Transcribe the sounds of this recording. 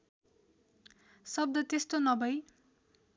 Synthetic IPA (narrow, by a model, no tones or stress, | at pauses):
sʌb̚d̪ʌt̪est̪onʌbʌj